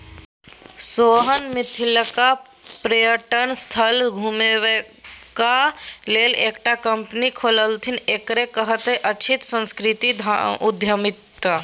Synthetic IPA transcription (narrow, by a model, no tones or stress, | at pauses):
soɦənmɪt̪ʰiləka | pɾəjəʈənst̪ʰəlɡʱumewe | kaleleːkʈakəmpnikʰoːləlt̪ʰineːkɾekəɦət̪ɦeʔət͡ʃʰit̪sə̃nskɾit̪iʊd̪ʱjəmit̪ːə